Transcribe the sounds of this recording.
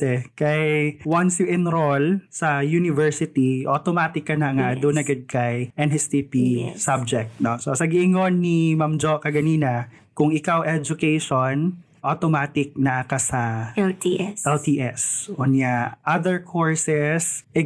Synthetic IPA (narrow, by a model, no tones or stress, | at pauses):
ɛkɐjwansjuʔɪnɾolsɐjunɪvɛɹsɪt̪iʔot̪omaːt̪ɪkːɐnɐŋad̪ʊnɐɡɐd̪̚kajʔɛnhɛst̪ipisab̚d͡ʒɛk̚t̪̚nososɐɡiʔɪŋonːimamd͡ʒokɐɡɐniːnɐ | kʊŋɪkawʔɛd͡ʒʊkɛjʃon | ʔot̪omaːt̪ɪk̚nɐɐkasɐ | ɛlt̪iʔɛsʔʊnaʔad̪ɛɹkʰoɹsɛsʔɛ